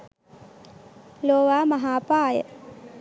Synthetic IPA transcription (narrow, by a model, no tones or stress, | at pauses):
loːʋaːmaɦaːpaːjə̰